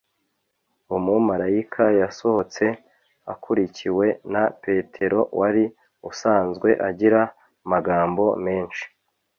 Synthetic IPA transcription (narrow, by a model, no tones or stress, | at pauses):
umumaɾaikʰajaso̞ho̞t͡se̞ | a̰kʰuɾicʰiwe̞nape̞tʰe̞ɾo̞wʔaɾi | usaːnzɡwe̞ʔaɟiɾa | maɡaːmbo̞me̞ːnʃi̥